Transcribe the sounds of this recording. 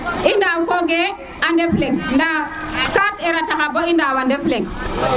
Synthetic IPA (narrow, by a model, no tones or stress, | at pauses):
indawkoɡe | andefleŋndakateɾatakabɔindawandefleŋ